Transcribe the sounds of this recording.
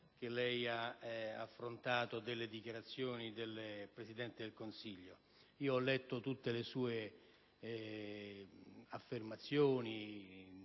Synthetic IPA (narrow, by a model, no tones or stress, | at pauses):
k̟elːɛjaafːɾont̪aːt̪od̪elːed̪ikjaɾat̪sːjoːnid̪elːpɾesid̪ɛnt̪ɪd̪elkonsiʎːo | iːoɔlːɛt̪ːot̪ut̪ːelesuːe | afːermat̪sːjoːni